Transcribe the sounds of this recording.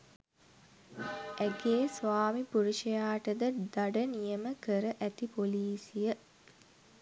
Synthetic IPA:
ʔæɡeːsʋaːmipuɾuʃɐjaːʈəd̪əd̪aɖənijəməkəɾəʔæt̪ipoliːsijə

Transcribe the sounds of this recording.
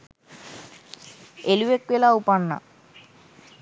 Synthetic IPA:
eluʋekʋelaupaɳːa̰

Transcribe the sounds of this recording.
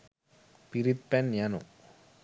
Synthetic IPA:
piɾit̪̚pɛnjanṵ

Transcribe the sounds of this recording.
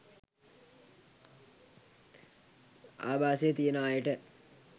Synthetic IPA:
a̰ːbaːsejːt̪ijənaːjəʈə

